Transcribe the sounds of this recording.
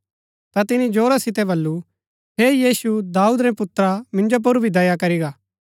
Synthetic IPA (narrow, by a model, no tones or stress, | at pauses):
t̪at̪ɪnid͡ʒoːɾasɪt̪ɛbɐlːu | ɦeːjiːsud̪aːuːd̪ɾɛ̃pʊt̪ːɾamɪ̃nd͡ʒop̬ʊɾbʱid̪ɐjakɐɾiɡaː